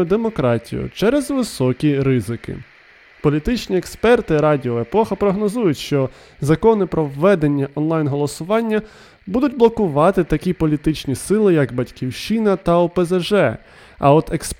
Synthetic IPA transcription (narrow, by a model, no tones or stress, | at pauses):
ʊd̪emɔkɾɑtʲḭjʊ̰t͡ʃɛɾɛzʋɪsɔkʲiɾɪzɪkɪ̰ | pɔlʲit̪ɪt͡ʃnʲiekspɛrt̪ɪɾɑdʲiɔepɔxɐpɾɔɦnɔzujʊtʲʃt͡ʃɔ | zɐkɔnɪpɾɔwːɛd̪e̞nʲːɐʔɔnlˠɑjnɦɔlˠɔsʊʋɑnʲːɐ | bud̪ʊtʲblˠɔkʊʋɑt̪ɪt̪ɐkʲipɔlʲit̪ɪt͡ʃnʲisɪlˠɪjɐkbɐtʲkʲiwʃt͡ʃinɐt̪ɐɔpezeʒɛ | ɐ̰ɔt̪eksp